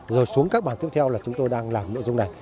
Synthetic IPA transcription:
zoː˨˩jsu˨˦əŋkaː˦˥k̚ɓaː˧˩nt̪i˦˥əp̚t̪ʰɛ˧wlaː˨˩t͡ɕʊ˨˦ŋ͡mt̪o˧jɗaː˧ŋlaː˨˩mno̰˧˥zʊ˧ŋ͡mna˨˩j

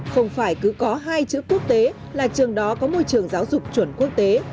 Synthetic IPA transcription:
xə˧wŋ͡mfaː˧˩jkɨ˨˦kɔ˨˦ɦaː˧jt͡ɕɨ̰˧˥ku˦˥ək̚t̪e˨˦ | laː˨˩t͡ɕɨ˨˩əŋɗɔ˨˦kɔ˨˦mo˧jt͡ɕɨ˨˩əŋzaː˨˦wzʊ˨˩k͡p̚t͡ɕwə˧˩nku˦˥ək̚t̪e˨˦

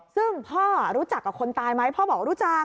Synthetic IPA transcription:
sɯ˥˩ŋpʰɔː˥˩ɾuː˦˥t͡ɕa˨˩kːa˨˩kʰo˧nt̪aː˧jma˦˥jpʰɔː˥˩bɔː˨˩k̚ɾuː˦˥t͡ɕa˨˧

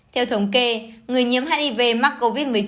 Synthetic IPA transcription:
t̪ʰɛ˧wt̪ʰə˨˦wŋ͡mke˧ŋɨ˨˩əjɲi˨˦əmɦaː˧ni˧ve˧˩ma˦˥k̚ko˧vi˦˥t̚mɨ˨˩əjt͡ɕ

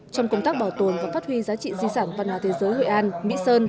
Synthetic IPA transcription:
t͡ɕɔ˧wŋ͡mkə˧ŋ͡mt̪aː˦˥k̚ɓɔ˧˩t̪o˨˩nvaː˨˩faː˦˥t̚hwi˧zaː˨˦t͡ɕḭ˧˨zi˧saː˧˩nvaː˨˧˩nhwaː˨˦t̪ʰe˨˦zəː˨˦jho̰˧˨jʔaː˧nmḭ˧˥səː˧n

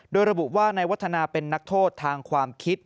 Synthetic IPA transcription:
doː˧jɾa˧bu˨˩ʔwaː˥˩na˧jwa˦˥t̪ʰːa˧naː˧pe˧nːa˦˥k̚t̪ʰoː˥˩t̪ʰːaː˧ŋkʰwaː˧mkʰi˦˥t̪̚

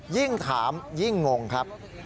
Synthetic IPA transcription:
ji˥˩ŋt̪ʰaː˩˦mji˥˩ŋːo˧ŋkʰɾa˦˥p̚

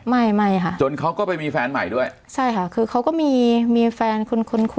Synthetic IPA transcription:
ma˥˩jma˥˩jkʰa˦˥˩ʔt͡ɕo˧nkʰa˦˥wkɔː˥˩pa˧jmiː˧fɛː˧nma̰˨˩jdu˥˩əj | t͡ɕʰa˥˩jkʰa˦˥kʰɯː˧kʰa˦˥wkɔː˥˩miː˧miː˧fɛː˧nkʰo˧nkʰo˧nkʰ

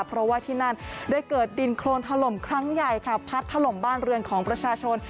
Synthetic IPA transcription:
pʰɾɔ˦˥waː˥˩t̪ʰiː˥˩na˥˩ndaː˥˩jkɤː˨˩t̪̚di˧nkʰloː˧nt̪ʰa˧lo˨˩mkʰɾa˦˥ŋja˨˩jkʰa˧˩pʰːa˦˥t̪ʰːa˧lo˨˩mbaː˥˩nɾɯ˧ənkʰɔː˩˦ŋpɾa˧t͡ɕʰaː˧t͡ɕʰo˧n

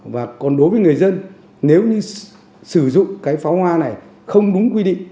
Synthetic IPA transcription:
vaː˨˩kɔ˨˩nɗo˨˦jvəː˨˦jŋɨ˨˩əjzə˧n | ne˨˦wɲɨ˧ | sɨ˧˩zʊ̰˧˨ŋ͡mkaː˨˦jfa˨˦whwaː˧na˨˩j | xə˧wŋ͡mɗʊ˨˦ŋ͡mkwi˧ɗḭ˧˨ŋ̟

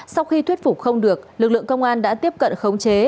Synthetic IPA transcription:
sa˧wxi˧t̪ʰwi˦˥ət̚fu˨˩k͡p̚xə˧wŋ͡mɗɨ˨˩ək̚lɨ˨˩k̚lɨ̰˧˨əŋkə˧wŋ͡mʔaː˧nɗa̰ː˧˥t̪i˦˥əp̚kə̰˧˨nxə˨˦wŋ͡mt͡ɕe˨˦

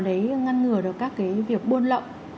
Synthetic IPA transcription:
ɗə˨˦jŋa˧nŋɨ˨˩əɗɨ˨˩ək̚ːaː˦˥kːaː˨˦jvi˨˩ək̚ɓo˧nlə̰˧˨wŋ͡m

